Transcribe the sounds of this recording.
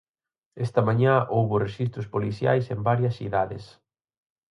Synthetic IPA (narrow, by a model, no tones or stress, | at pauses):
est̪ɐmãɲaʔowβʊreʃist̪ɾʊspoliθja̰jsembaɾjɐsθḭðaðɪ̰s